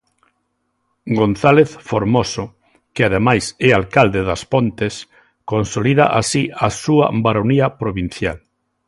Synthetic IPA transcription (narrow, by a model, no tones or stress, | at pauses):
ɡonθaleθfoɾmosʊ | kɪaðemajsɛalkald̪eðɐspont̪es | konsoliðaʔasiasuɐ̰baɾoniɐpɾoβin̟θjal